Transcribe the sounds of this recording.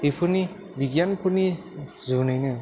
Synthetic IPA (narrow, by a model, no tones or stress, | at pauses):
ipʰɯni | bʱiɡianpʰɯni | zunɯjnɯ